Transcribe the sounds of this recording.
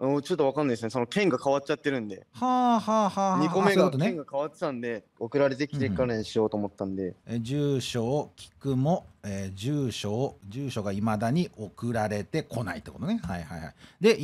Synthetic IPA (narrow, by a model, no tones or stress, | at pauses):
ot͡ɕot̪ːoβakanːaid̪sɨnesonokẽ̞ŋɡakaβat̚t͡ɕːat̪ːe̞ɾɯ̟̃nd̪e̞haːhaːhaːhɲiakomeoikoot̪onẽŋɡakaβat̪ːe̥t̪ãnd̪e̞okɯ̟ɾaɾe̞t̪e̞kʲiɾekkːanẽɲ̃ɕijo̞ːt̪oːmot̪ːãnd̪e̞ed͡ʑɨːɕo̞ːkʲʰi̥kɯ̟mo̞eːʑɨːɕo̞ːʑɨːɕo̞ɡaimad̪aɲ̟iʔo̞kɯ̟ɾaɾe̞t̪e̞kʰo̞nait̪ːeko̞t̪onehaihaiha̰id̪e̞